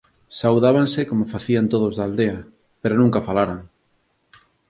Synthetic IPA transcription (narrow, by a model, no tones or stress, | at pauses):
sawðaβansɪkomofaθiant̪oð̞ozðaːld̪eɐ | peɾonũŋkafalaɾaŋ